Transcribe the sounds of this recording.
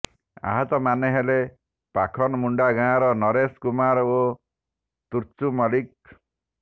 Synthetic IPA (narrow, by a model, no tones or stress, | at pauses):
a̰ɦɔt̪ɔmaneɦele | pakʰɔnɔmuɳɖaɡãɾɔnɔɾeskumaɾo | t̪uɾt͡ʃumɔlik̚